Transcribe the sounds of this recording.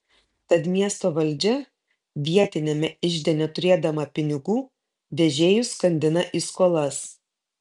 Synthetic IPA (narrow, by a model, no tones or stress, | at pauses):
t̪ɐt̪mʲiɛst̪oːʋɐlʲd͡ʒʲɛ | ʋʲiɛt̪ʲɪnʲɛmʲɛɪʒʲd̪ʲɛnʲɛt̪ʊɾʲeːd̪ɐmɐpʲɪnʲɪɡuː | d̪ʲɛʒʲeːjʊskɐnʲd̪ʲɪnɐʔiːskoːlˠɐs